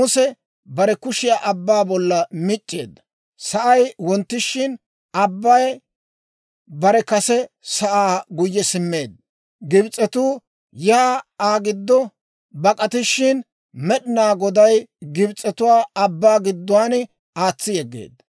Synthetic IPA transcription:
mʊsɛ | bɐɾɛkʊʃɪjaːʔɐbːaːbɔlːɐmɪt͡ʃʼːe̞̰ːd̪ːɐ | sɐʔɐjwɔnt̪ːɪʃːɪn | ɐbːɐj | bɐɾɛkɐsɛsɐʔaːɡʊjːɛsɪmːe̞ːd̪̚ | ɡɪbt͡sʼːɛt̪uː | jaːaːɡɪd̪ːɔ | bɐkʼɐt̪ɪʃːɪn | mɛɗɪnaːɡɔd̪ɐjɡɪbt͡sʼːɛt̪ʊwaːɐbːaːɡɪd̪ːʊwaːn | aːt͡sːɪjɛɡːḛːd̪ːɐ

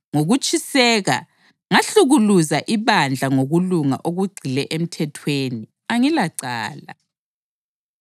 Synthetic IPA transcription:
ŋoɣut͡ʃʼʰisɛːɣa̰ | ŋaɬuɣuluzaʔiβand͡ɮʱaŋoɣuluŋa̰ʔoɣuɡ͡ǀʱilɛʔem̩tʰɛtʰweːni | aŋilaǀa̰ːla̰

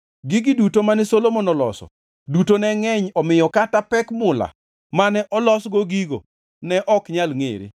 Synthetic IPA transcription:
ɡɪɡɪdutomanɛsolomonɔlɔ̰sɔ̰ | dutonɛŋɛɲɔmɪjɔkatapɛkmʊla̰ | manɛʔɔlɔsɡoɡiɡo̰ | nɛʔɔkɲalŋḛɾḛ

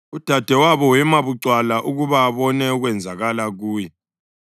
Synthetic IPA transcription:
ud̥ʱad̥ʱɛwaβɔwɛmaβuǀwalaʔuɣuβaːβɔnɛuɣwɛnd͡zʱaɣalaɣuːjɛ

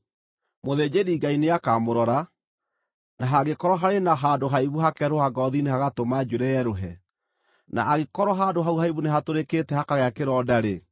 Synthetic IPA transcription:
moðeːd͡ʑeɾiːɡaineakamoɾɔɾa | naɦaɣekɔɾɔɦaɾenaɦaːdoɦaiβuɦakɛɾohaɡɔðinehaɣatomad͡ʒuɾɛjɛɾoɦɛ | na̰ʔaɣekɔɾɔɦaːndoɦauɦaiβuneɦatoɾekeːtɛhakaɣeakeɾɔːdaɾe

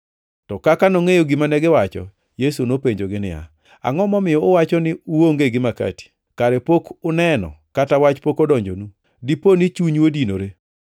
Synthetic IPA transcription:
tɔkakanoŋejoɡɪmanɛɡɪwat͡ʃɔ̰ | jesunopeɲd͡ʒoɡɪnɪ̰ja̰ | a̰ŋɔmɔmɪjɔʊwat͡ʃɔnɪuwoŋɡeɡɪmaka̰ti̥ | kaɾɛpokʊnɛnɔ̰katawat͡ʃpokɔdɔɲd͡ʒo̰nu | diponɪt͡ʃuɲwodino̰ɾe

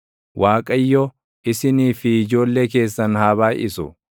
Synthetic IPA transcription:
waːkʼɐjːɔ | ɪsɪniːfɪɪd͡ʒo̞ːlːeke̞ːsːɐnhaːβaːʔɪsʊ̰

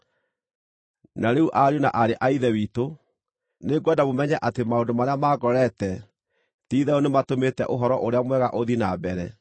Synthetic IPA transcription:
naɾeuʔaɾjonaʔaɾeʔaiðɛwiːto | neɡɛdamomɛɲɛʔatemaondomaɾeamaɡɔɾɛtɛ | tiːðɛonematometɛ̰ʔoɦɔɾɔʔoɾeamwɛɣaʔoðinabɛɾɛ̰

